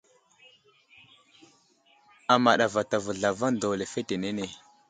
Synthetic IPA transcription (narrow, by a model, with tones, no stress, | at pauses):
a˨ma˨ɗa˨va˨ta˨və˨ɮa˨va˦ndo˨le˨fe˦te˨ne˦ne˨